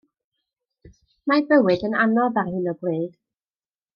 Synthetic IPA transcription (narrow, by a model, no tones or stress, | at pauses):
mabəwɨdənanɔðarhɨnɔɡweːd̥